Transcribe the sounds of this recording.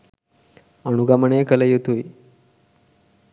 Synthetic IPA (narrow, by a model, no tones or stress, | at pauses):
əɽ̃uɡaməɳekələjet̪uj